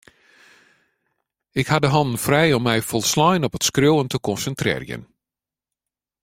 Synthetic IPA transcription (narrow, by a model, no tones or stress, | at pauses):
ɪkhadəɦɔndən̩frɛjɔmːɛjfɔlˠslɔjnɔpətskrowəntəkɔnsəntrɪ̰ːrjə̰n